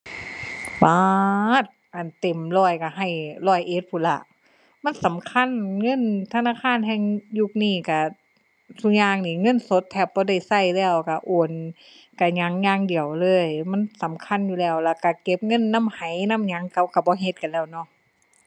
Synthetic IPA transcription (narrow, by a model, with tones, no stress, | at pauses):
baː˧˨t̪̚ʔa˨˩nt̪e˨˩mlɔː˧˩jka˧˩ɦa˧˩jlɔː˧˩˨jʔe˧˦t̪̚pʰuː˧˩la˧˩ʔ | ma˧˥˨nsa˨˦mkʰa˧˥˨nŋɤ˧˥˨nt̪ʰa˧naː˧˨kʰaː˧˥˨nɦɛː˧˨ŋju˧˩k̚niː˧˩ka˧˩ | t̪ʰu˧˥k̚ɲaː˧ŋniː˧˩ŋɤ˧˥˨nso˧˦t̪ʰːɛː˧˩p̚bɔː˧˦da˧˥˩jsa˧˩jlɛː˧˩wka˧˩ʔoː˧˩n | ka˧˩ɲa˧˦˥ŋɲaː˧˥˨ŋdi˨˩əwlɤː˧˥˩jma˧˥˨nsa˨˦mkʰa˧˥˨njuː˧lɛː˧˩˨wlɛː˧˩ka˧˩ke˧˦p̚ŋɤ˧˥˨nːa˧˥˨mha˨˦jna˧˥˨mɲa˧˦˥ŋka˧˦wka˧˩bɔː˧˦ɦe˧˦t̪̚ka˨nlɛː˧˩˨wnɔ˧˥˨ʔ